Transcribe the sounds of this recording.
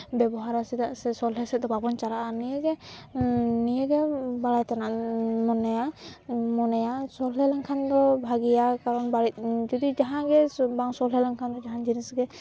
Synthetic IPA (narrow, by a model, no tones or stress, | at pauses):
bɛbɔɦaɾasɛt̪aʔsɛsɔlɦɛsɛt̪̚d̪ɔbabɔnt͡ʃalaʔanijəɡɛ | nijəɡɛbalajt̪anaʔmɔnajamɔnajasɔlɦɛlaŋkʰand̪ɔbʱaɡijakaɾɔnbaɽit̪̚ˀd͡ʒɔd̪id͡ʒaɦãɡɛbaŋsɔlɦɛlaŋkʰand̪ɔd͡ʒaɦand͡ʒinisɡɛ